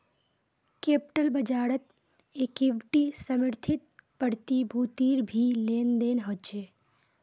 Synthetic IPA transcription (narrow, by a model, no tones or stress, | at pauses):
kepʈəlbəd͡ʒaːɾət̪ | ekiʋʈisəməɾt̪ʰɪt̪̚pəɽt̪ibʱuːt̪iːɾbʱileːnd̪eːnɦot͡ʃʰeː